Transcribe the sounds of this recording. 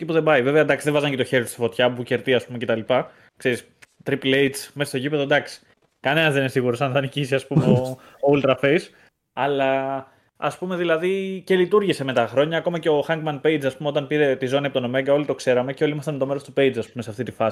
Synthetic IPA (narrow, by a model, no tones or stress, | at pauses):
ipuðebɐive̞veɐd̪ɐksiðevɐzɐnceoçe̞ɾit̪u̥st̪i̥fo̞t̪çɐpuce̞ɾt̪iɐspumece̞t̪ɐlipɐ | kse̞ɾis | t̪ɾiplejt̪smesst̪oʝipe̞ðo̞d̪ɐksi̥ | kɐne̞nɐzðenesiɣuɾo̞sɐnθɐnicisiɐspumeo | oult̪ɾɐfes | ɐlɐ | ɐspume̞ðilɐðice̞lit̪uɾʝise̞me̞t̪ɐxɾo̞ɲɐːko̞mɐce̞o̞xɐŋɡmɐnpe̞jd͡zɐspumeo̞t̪ɐnpiɾe̞t̪izoniepot̪ono̞meɐɡɐo̞lit̪o̞kse̞ɾɐme̞ceo̞limɐst̪ɐnt̪o̞meɾo̞st̪upe̞ijd͡zɐspumesɐft̪it̪ifɐi